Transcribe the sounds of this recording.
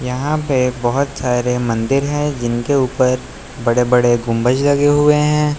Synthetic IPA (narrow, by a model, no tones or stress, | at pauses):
jɐɦãpebɔɦʊt̪saːɾemɐ̃nd̪ɪɾɦɛ̃d͡ʒɪnkeuːpəɾ | bɐɽebɐɽeɡʊ̃mbəd͡ʒlɐɡeɦʊeɦɛ̃ː